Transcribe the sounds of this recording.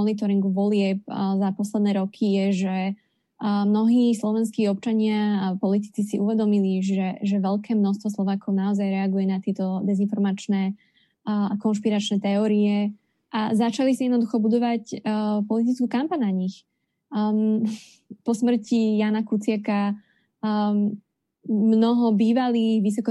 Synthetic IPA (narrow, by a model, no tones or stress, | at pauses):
ɔnit̪ɔɾiŋɡuʋɔlɪɛp̚zapɔslɛd̪nɛːɾɔkʰijɛʒɛ | mnɔɦiːslɔʋɛnskiːɔp̚t͡ʃaɲɪapɔlit̪i̥t͡sisiʔuʋɛd̪ɔmiliʒɛʒɛʋɛʎkɛːmnɔst̪ʋɔs̬lˠɔʋaːkʰɔʊnaɔzajɾɛaɡujɛnat̪ɪɛt̪ɔd̪ɛzinfɔɾmat͡ʃnɛ | kɔnʃpiɾat͡ʃnɛt̪ɛɔːɾiɛ | ʔazat͡ʃalisaijɛd̪nɔd̪uxɔbud̪ɔʋacpɔlit̪it͡skukampaɲnaɲix | pɔsmr̩cijaːnakut͡sɪaka | mnɔɦɔbiːʋaliːɣʋis̬ɔkɔ